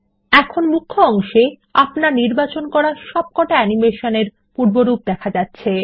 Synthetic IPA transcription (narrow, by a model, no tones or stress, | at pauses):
ɛkʰonmukʰːoɔŋʃe | apnaɾniɾbat͡ɕonkɔɾaɾʃɔb̚kɔʈaɛnimeʃoneɾ | puɾboɾup̚d̪ɛkʰad͡ʑatːɕʰe